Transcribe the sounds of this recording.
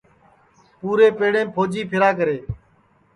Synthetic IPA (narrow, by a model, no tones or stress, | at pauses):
puːɾeːpeːɽẽːpʰoːd͡ʒiːpʰɪɾaːkəɾeː